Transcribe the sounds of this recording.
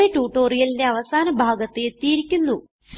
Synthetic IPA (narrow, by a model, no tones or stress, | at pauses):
eʈuːʈo̞ːrijɐlinde̞ɐʋɐsaːnɐbʱaːɡɐt̪ːeet̪ːijiɾikʲːunːu | s